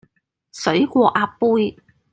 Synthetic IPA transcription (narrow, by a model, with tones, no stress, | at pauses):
sɵ˨˥ɥkʷɔː˧ʔaː˧pːuː˥j